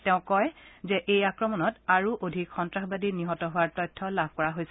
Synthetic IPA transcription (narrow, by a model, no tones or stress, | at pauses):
tɛʊ̃kɔjzɛʔejakɹɔmɔnɔtaɹuʔodʱikxɔntɹaxbadiniɦɔtɔɦʊwaɹtɔjtʰːɔlabʱkɔɹaɦojsɛ